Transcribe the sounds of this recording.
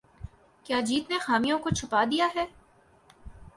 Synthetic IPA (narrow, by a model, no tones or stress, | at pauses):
kjaːd͡ʒiːt̪nexaːmijõkot͡ʃʰʊpaːd̪ijaɦɛː